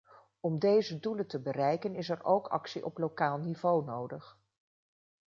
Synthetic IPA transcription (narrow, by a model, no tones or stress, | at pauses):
ɔmdejzəduləntəbərɛjkənɪsɛrowkʰɑ̰ksiʔɔplowkaːlˠnivownowdəχ